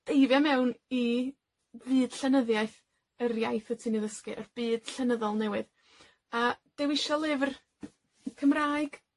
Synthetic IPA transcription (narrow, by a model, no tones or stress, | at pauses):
d̥ejvjamɛwni | vɨːd̥ɬɛnəðjaɨθ | ərjajθətʰiniðəskɨʔərb̥ɨːd̥ɬɛnəðɔlˠnɛwɨð | ad̥ɛwɪʃɔlˠɪvr | kʰəmraːɨɡ̥